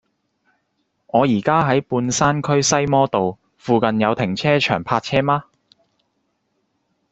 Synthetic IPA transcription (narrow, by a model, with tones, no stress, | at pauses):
ŋɔː˨˧jiː˨˩kaː˥ɦɐ˨˥jpuː˧nsaː˥nkʰɵ˥ɥsɐ˥jmɔː˥t̪o˨w | fuː˨kɐ˨njɐ˨˧wt̪ʰɪ˨˩ŋt͡sʰɛː˥t͡ʃʰœː˨˩ŋpʰaː˧t̚t͡sʰɛː˥maː˥